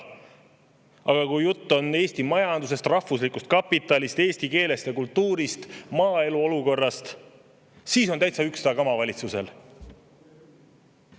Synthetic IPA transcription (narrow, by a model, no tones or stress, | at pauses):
ɑɡ̥ɑkujjut̪ːo̞ne̞ːst̪imɑjɑnd̪us̬e̞st̪rɑhvuslikust̪̚kɑpːˑit̪ːˑɑlist̪e̞ːst̪ike̞ːle̞st̪ekult̪ːuːɾist̪mɑːe̞luo̞luko̞rːɑst̪ | siːso̞nt̪æjt̪sɑyksɑkɑmɑvɑlʲit̪suse̞̰l